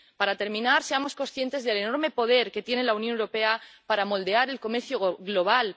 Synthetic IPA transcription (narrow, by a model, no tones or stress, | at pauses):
paɾat̪e̞ɾmĩnaɾse̞amo̞sko̞sθje̞nt̪e̞zðe̞leno̞ɾme̞po̞ð̞e̞ɾke̞t̪je̞ne̞launjonewɾo̞pe̞apaɾamo̞ld̪e̞aɾe̞lko̞me̞ɾθjoɣlo̞β̞al